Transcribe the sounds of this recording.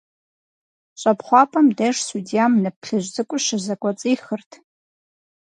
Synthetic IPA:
ɕʷʼapʰχʷapʼamdeʂsudijamnɨp̚ʰɬɨʒʷd͡zɨkʷʼʊʃazakʷʼat͡sʼiːχərtʰ

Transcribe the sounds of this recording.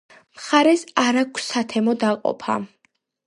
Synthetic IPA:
mχaɾɛsaɾakʷʰsat̪ʰɛmɔd̪aqʼɔ̰pʰa̰

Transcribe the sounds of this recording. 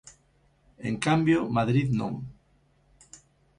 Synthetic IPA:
ḛŋkambjomaðɾiðnõ̰ŋ

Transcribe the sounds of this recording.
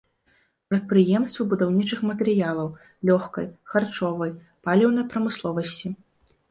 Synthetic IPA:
pɾɐt̪̚pɾɨjɛmst̪vɐbud̪awnʲit͡ʂɨxmɐt̪ɛɾɨjalˠɐw | lʲɔxkɐ̰jxart͡ʂɔvɐj | palʲɛwn̪ɐjpɾɐmɨslˠɔvɐsʲt͡sʲi

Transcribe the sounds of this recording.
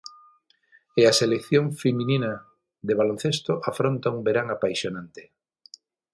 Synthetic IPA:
easelekθjoŋfeminina | ðeβalon̟θest̪oʔafɾont̪aumbeɾaŋapajʃjonant̪e̥

